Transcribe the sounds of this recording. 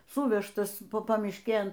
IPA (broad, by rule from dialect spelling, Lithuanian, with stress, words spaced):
ˈsʊʋʲɛʃtɐs ˈpɐ pɐmʲɪʃʲˈkʲeːn